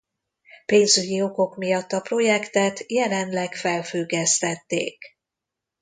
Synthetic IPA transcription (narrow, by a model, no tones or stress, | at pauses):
peːnzyɟio̞ko̞kmijɒt̪ːɒpro̞jɛkt̪ɛt̪jɛlɛnlɛkfɛlfyɡɛst̪ɛt̪ːḛːk